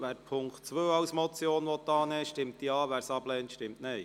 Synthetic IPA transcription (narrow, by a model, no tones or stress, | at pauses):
ʋæːɾpʰʊŋkχtt͡sʋøːɑwsmɔt͡sjoːnʋɔt̪ːɑːnɛʃtɪmtdiɑːʋæːɾsɑblɛːntʃtɪmtnɛj